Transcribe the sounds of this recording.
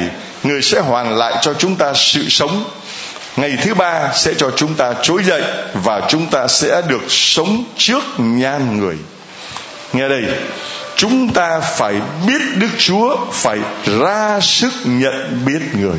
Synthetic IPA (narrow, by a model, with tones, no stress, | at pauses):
j | ŋɨ˨˩əjsɛ̰˧˥ɦwaː˨˩nla̰ː˧˨jt͡ɕɔ˧t͡ɕʊ˨˦ŋ͡mt̪aː˧sɨ̰˧˨sə˨˦wŋ͡m | ŋa˨˩jt̪ʰɨ˨˦ɓaː˧sɛ̰˧˥t͡ɕɔ˧t͡ɕʊ˨˦ŋ͡mt̪aː˧t͡ɕo˨˦jzə̰˧˨jvaː˨˩t͡ɕʊ˨˦ŋ͡mt̪aː˧sɛ̰˧˥ɗɨ˨˩ək̚sə˨˦wŋ͡mt͡ɕɨ˦˥ək̚ɲaː˧nŋɨ˨˩əj | ŋɛ˨˩ɗə˧jt͡ɕʊ˨˦ŋ͡mt̪aː˧faː˧˩jɓi˦˥ət̚ɗɨ˦˥k̚t͡ɕu˨˦əfaː˧˩jzaː˧sɨ˦˥k̚ɲə̰˧˨nɓi˦˥ət̚ŋɨ˨˩əj